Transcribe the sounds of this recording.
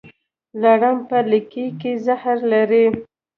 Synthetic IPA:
laɽampəlikikezahɾlaɾi

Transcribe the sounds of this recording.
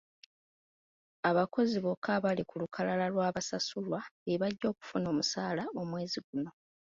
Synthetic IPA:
aβako̞ziβo̞kʰaβalikulukʰalalalwaːβasasulwaeβaɟːo̞ːku̥funo̞ːmusaːlao̞mwe̞ːziɡuno̞

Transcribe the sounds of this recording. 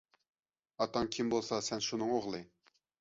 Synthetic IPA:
ɑt̪ɑŋkʲʰimbolˠsɑsɛnʃunɨŋoʁlˠɨ

